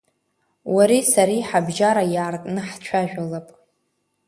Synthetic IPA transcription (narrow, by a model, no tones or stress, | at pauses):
waɾisaɾiħabʒaɾajaːrkʼnɨħt͡ʃʷʰaʒᶣalapʼ